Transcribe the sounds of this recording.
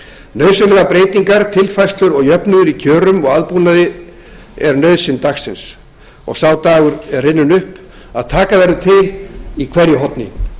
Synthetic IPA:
nœɥðsɪnlɛɣapɾeːjt̪iŋkaɾt̪ʰɪlfajst̪lʏɾɔɣjœpnʏðʏɾicʰœːɾʏmɔɣaðpuːnaðɪ | ɛɾnœɥðsɪnt̪axsɪns | ɔ̰ɣsawt̪aːɣʏɾɛɾrɪnːʏnʏhp | aðt̪ʰaːkaðɛɾʏt̪ʰɪlikʰvɛɾjʏɦɔt̪nɪ̰

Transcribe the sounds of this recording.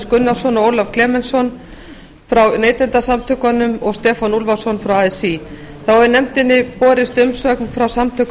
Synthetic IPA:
skʏnːḁsɔnɔoːwlav̥kʰlɛːmɛnsɔn | fɾawneːjt̪ɛnt̪asamt̪ʰʏkanʏmɔɣst̪ɛːfanulvasɔnfɾawajsi | θawɛɾnɛmt̪ɪnːɪpɔːɾɪst̪ʏmsœknfɾawsamt̪ʰʏk

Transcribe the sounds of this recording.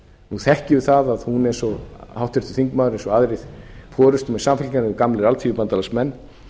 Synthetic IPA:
nuθɛhcɪʏθaðaðhunɛjnsɔhawht̪vɛɾ̥t̪ʏ̥θiŋkmaːðʏɾejnsɔaðɾɪðfɔːɾʏst̪mɛsamfɪlcanʏʏkamlɪɾalt̪fijʏpant̪alasmɛnː

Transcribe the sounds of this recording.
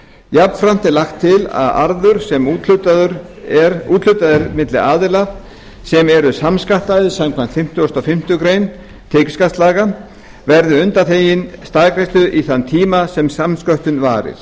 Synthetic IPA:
japnfɾam̥t̪ɪlaxt̪ʰːɪla̰ða̰ɾðʏɾ̥sɛmuːt̪lʏt̪aðʏɾ | ɛɾuːt̪l̥ʏt̪aðɪɾmɪt̪lɪ̰aːðɪlaf | sɛmɛɾʏsamskaht̪aðɪsamkʰvant̪fɪm̥t̪ʏɔst̪ɔfɪm̥t̪ʏkɾejn | t̪ʰekɪ̥skast̪laːɣa | vɛɾðʏʏnt̪aθeːjɪnst̪aːkɾejst̪ʏʔiθant̪ʰiːmasɛmsamskœht̪ʏnva̰ːɾɪ̰ɾ̥

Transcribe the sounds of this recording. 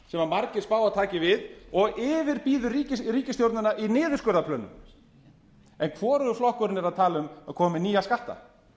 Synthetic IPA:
sɛmaɾmaɾcɪ̥spaːwat̪ʰaːcɪvɪðɔɣɪːvɪɾpiːðʏriːcɪɾiːcɪst̪jowɾt̪nʏnaʔinɪːðʏ̥skœːɾðapʰlœːnːʏ̰m | ɛnkʰvɔːɾʏʏflɔhkʏɾɪnːɛɾaðt̪ʰaːlʏmaðkʰɔːmɪniːaskaht̪a̰

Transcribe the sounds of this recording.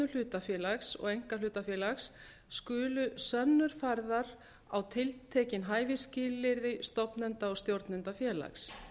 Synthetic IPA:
ʏl̥ʏːt̪afjɛːlaksɔ̰ɣejŋ̥kalʏːt̪afjɛːlaxsː | kʏːlʏsœnːʏɾ̥fajɾðaɾ | awt̪ʰɪlt̪ʰɛːcɪnɦaːjvɪscɪːlːɪɾðɪst̪ɔpnɛnt̪aɔɣst̪jowɾt̪nɛnt̪afjɛːla̰ks

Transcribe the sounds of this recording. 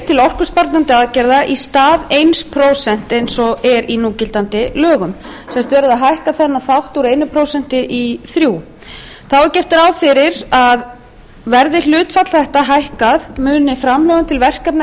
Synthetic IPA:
t̪ʰɪlɔr̥kʏspaɾt̪nant̪ɪaðcɛɾðaʔist̪aːðejnspʰɾowsɛn̥t̪ejnsɔɛɾinuːcɪlt̪ant̪ɪlœːɣʏmsɛmst̪vɛːɾʏðaðɦajhkaθɛnːaθawht̪uɾejnʏpʰɾoːwsɛn̥t̪ɪʔiθɾjuː | θawɛɾcɛr̥t̪ɪɾaːwfɪɾɪɾað | vɛɾðɪl̥ʏːt̪fat̪l̥θɛht̪aɦajhkaðmʏːnɪfɾamlœːɣʏmt̪ʰɪlvɛr̥kapna

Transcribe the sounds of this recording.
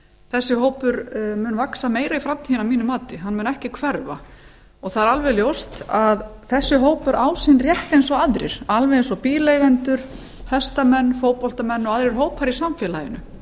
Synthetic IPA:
θɛsːɪɦoːwpʏɾmʏːnvaksameːjɾaifɾamt̪ʰiːɪnawmiːnʏmaːt̪ɪɦanːmʏːnɛhcɪkʰvɛɾva̰ | ɔθaðɾalvɛljowst̪aðθɛsːʏɦoːwpʏɾʔaːwsɪnrjɛht̪ejnsɔaðɾɪ̰ɾ̥alvɛensɔpiːlejɣɛnt̪ʏɾ̥ | hɛst̪amɛnːfoːwpɔl̥t̪amɛnːɔɣaðɾɪɾ̥ɦoːwphaɾisamfɛːlajɪnʏ̰

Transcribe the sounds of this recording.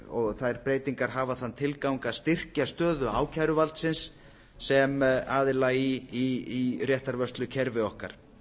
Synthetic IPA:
ɔɣθajɾpɾeːjt̪iŋkaɾ̥ɦaːvaθanːt̪ʰɪlkawŋkaðst̪ɪr̥cast̪œːðʏa̰ːwcʰajɾʏvalt̪sɪnsː | ɛmaːðɪlaiiirjɛht̪aɾvœst̪lʏcʰɛɾvɪɔhka̰ɾ̥

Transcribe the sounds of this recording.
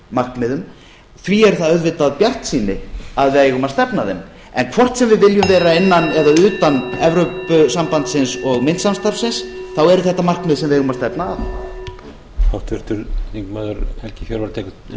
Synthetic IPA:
mar̥kmɪðʏm | θviɛɾθaðœɥðvɪt̪aðpjar̥t̪siːnɪaðvɪajɛɣʏmast̪ɛpnaðɛm | ɛnkʰvɔr̥t̪sɛmvɪðvɪljʏmvɛːɾaɪnːanɛðaʏːt̪anɛvɾœpʏsampant̪sɪnsɔɣmɪnt̪samst̪aɾfsɪnsθawɛɾʏθɛht̪ːamar̥kmɪðsɛmvɪðɛɣʏmast̪ɛpna̰ | hawt̪ʰvʏɾ̥t̪ʏɾliŋkmaðʏɾhɛl̥cɪfjɔɾvaɾt̪ʰɛːkʏ

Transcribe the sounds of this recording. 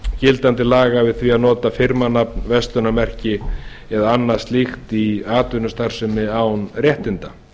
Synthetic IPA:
cɪlt̪ant̪ɪlaːɣavɪðθviaðnɔːt̪afɪɾmanapnvɛst̪ʏnamɛr̥cɪ | ɛðaanːḁst̪lixt̪iaːt̪ʏnʏst̪ar̥sʏmːɪawnrjɛht̪ɪnt̪a

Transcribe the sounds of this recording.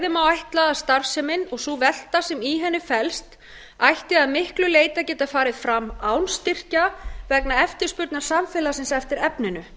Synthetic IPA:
ðɪmawajht̪laðast̪aɾ̥sɛmɪnɔɣsuvɛl̥t̪asɛmiɦɛnːɪfɛlst̪ | ajht̪ɪaðmɪhklʏleːjt̪acɛːt̪afaːɾɪðfɾamːaːwnst̪ɪr̥cavɛknaɛft̪ɪ̥spʏɾt̪naɾ̥samfɪːlasɪnsɛft̪ɪɾɛpnɪnʏ

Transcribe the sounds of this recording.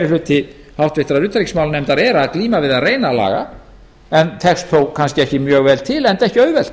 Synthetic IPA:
ɾɪflʏt̪ːɪ | hawht̪vɪht̪ɾaðʏːt̪ɾiksmaːwlnɛmt̪aɾɛɾaːðkliːmavɪðaðreːjnala̰ːɣa̰ | ɛnt̪ʰɛkst̪θowkkʰanscɪɛhcɪmjœːɣvɛlt̪ʰɪlɛnt̪ɛhcɪœɥvɛl̥t̪

